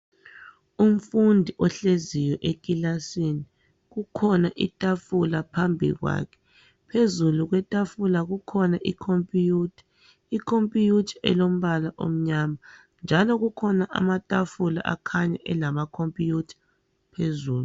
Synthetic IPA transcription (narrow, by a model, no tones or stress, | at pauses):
um̩fundʱiʔɔɬezijɔʔekʼilasini | ɣukʰɔnaʔitʼafulapʰambʱḭɣwa̰kʰɛ̥ | pʰezuluɣwɛtʼafulaɣukʰɔnaʔikʰompʼijutʰḁ | ikʰompʼijutʰḁɛ̰lom̩βalaʔo̰m̩ɲama | nd͡ʒʱalɔɣukʰɔnaʔa̰matʼafula̰ʔa̰kʰaɲa̰ʔɛlamakʰompʼijutʰḁ | pʰezuːlu